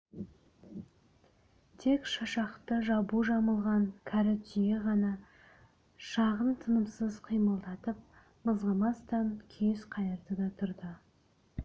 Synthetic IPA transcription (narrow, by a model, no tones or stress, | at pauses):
t̪ʰe̞kʃɑʃɑqt̪əʒɑbuʒɑməlˠʁɑŋkʲʰɑɾɪt̪ijeʁɑnɑ | ʃɑʁənt̪ʰənəmsəzqʰijməlˠd̪ɑt̪əp̚ | məzʁəmɑst̪ɑnkʲʰesqʰɑjəɾd̪əd̪ɑt̪ʰʊɾd̪ə